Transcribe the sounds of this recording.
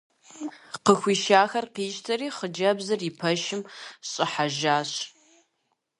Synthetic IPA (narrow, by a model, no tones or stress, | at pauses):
qəxʷiːʃaːxɐrqiːʃtʰɐriːχəd͡ʒɐbzɨripʰɐʃɪmɕʼɪħaʒaːɕ